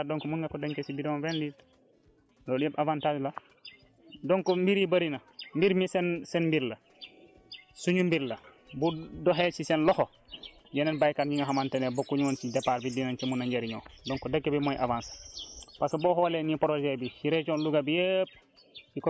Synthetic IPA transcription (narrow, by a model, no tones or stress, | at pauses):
dɔŋkɔmunŋɡakɔdaɲkesibidɔnvɛndit | lɔdpavantaːd͡ʒla | dɔŋkɔmbiɾibaɾinɐmbiɾmisɛnsɛnmbiɾlɐ | suɲumbiɾlɐ | budɔɦɛsisɛnlɔxɔ | ɟɛnɛnbajkaːɾɲiŋɡaɦamantɛnɛbokːuɲŋɔnsidɛpaɾbidinant͡ʃimunaɲɟeɾiɲɔːdɔŋkɔdɐkːebimɔjʔa̰vaːnsḁpasbɔhɔlenipɔɾɔd͡ʒɛbisiɾɛt͡ʃɔnluɡabijep̚ | ikɔ